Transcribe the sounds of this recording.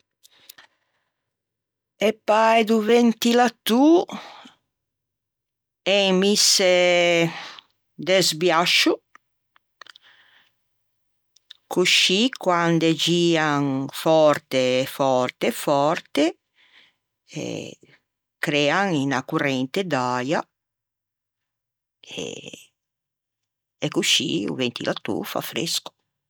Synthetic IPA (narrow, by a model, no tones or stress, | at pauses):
epːajd̪uvent̪ilat̪ːu | ɛmise | d̪ɛzbjaʃu | kʰuʃikwand̪ed͡ʒiːaŋfɔɾt̪eːfɔrt̪efɔrt̪e | ɛ̰ | kɾɛːaŋinakurɛnt̪ed̪aja | ḛ | kuʃːḭṵvent̪ḭlat̪ːṵfa̰fɾḛsku̥